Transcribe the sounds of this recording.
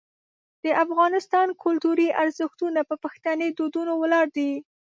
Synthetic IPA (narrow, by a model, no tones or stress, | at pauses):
d̪̥əʔafɣɑnɪst̪ɑnkʰʊlt̪uɾiʔaɾzəxt̪unapəpaxt̪aned̪od̪unowəlɑɾd̪i